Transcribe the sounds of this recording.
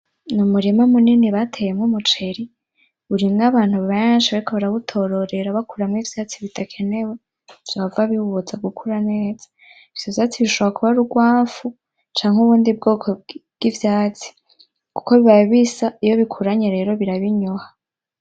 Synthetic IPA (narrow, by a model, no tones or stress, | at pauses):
numuɾimamuniniβatʰejemŋumut͡ʃe̞ɾi | uɾimŋaβaːn̥huβaβejnʃiβaɾikoβaɾaβutʰo̞ɾo̞ɾe̞ɾaβakuɾamŋivjaːt͡siβitʰakʰe̞ne̞we̥ | aβavaβiuβuzaɡukʰuɾane̞ːz̥ḁ | iv̥jovjaːt͡siβiʃoβakuβaɾuɡwaːfu | t͡ʃaːŋhuβuːndib̚ɡo̞ːkʰobɡ̥ivjaːt͡si̥ | ku̥ko̞βiβajoβisaijo̞βikʰuɾaɲe̞ɾe̞ːɾo̞βiɾaβiɲoha